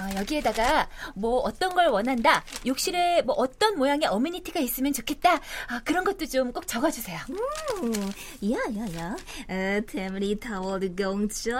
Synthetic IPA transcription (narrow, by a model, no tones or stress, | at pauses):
ʌjʌɡie̞daɡamwʌʌt͈ʌnɡʌɭwʌnɦandajok̚ɕ͈iɾemwʌʔʌt͈ʌnmojaŋe̞ʌmiɲitʰiɡais͈ɯmjʌnt͡ɕokʰe̞t̚t͈aakɯɾʌnɡʌt̚t͈ot͡ɕomk͈ok̚t͡ɕ͈ʌɡad͡ʑusʰe̞joo | jajaja | tʰeminitʰawʌdɡoŋt͡ɕʌ